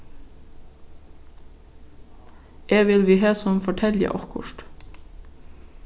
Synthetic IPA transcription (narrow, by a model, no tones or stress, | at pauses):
eːʋɪlʋiːɦɑːsɔmfɔʈʰɛljə̰ʔɔkʊ̰ʃt̪